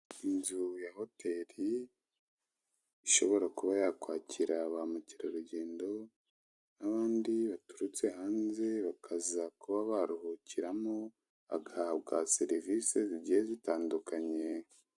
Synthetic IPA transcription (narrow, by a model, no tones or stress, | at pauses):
inzujaho̞tʰe̞ɾi | iʃo̞βo̞ɾakuβajakwaːcʰiɾaβamuciɾaɾuɟeːndo̞ | naβaːndiβatu̥ɾut͡se̞ɦaːnze̞βakʰazakuβaβaɾuhuciɾamo | a̰ɡahaβɡaseɾivise̞ziɟihezitaːndukaɲe̞